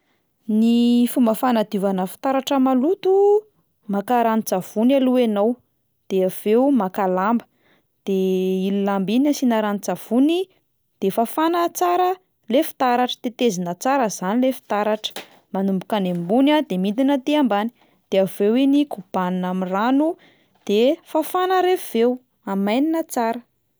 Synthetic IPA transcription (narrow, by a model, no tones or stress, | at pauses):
nifumbəfanad̪ivanəfi̥t̪aɾaʈ͡ʂəmalut̪u | makaɾanid͡zav̥unaluenow | d̪̥eav̥eumakalambə̥ | d̪̥eililambinasinaɾanid͡zav̥uni | d̪̥efafanət͡saɾə | lefi̥t̪aɾaʈ͡ʂə̥t̪et̪ezinət͡saɾəzanilefi̥t̪aɾaʈ͡ʂə̥ | manumbukanembunad̪emind̪inət̪eambani̥ | d̪̥eavewenikub̥annamiranu | d̪̥efafanəɾev̥ew | amajninət͡saɾə